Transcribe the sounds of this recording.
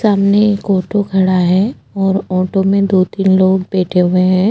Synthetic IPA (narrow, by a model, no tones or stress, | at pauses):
saːmnekoːʈokʰɐɽaɦɛː | ɔːɾɔːʈomẽd̪oːt̪iːnloːɡbɛːʈʰeɦʊeɦɛ̃ː